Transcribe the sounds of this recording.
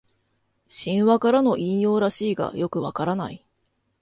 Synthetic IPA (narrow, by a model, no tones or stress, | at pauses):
ɕĩɰ̃βakaɾano̞ʔĩɰ̃jo̞ːɾaɕiːɡa̰jo̞kɯ̟βakaɾana̰i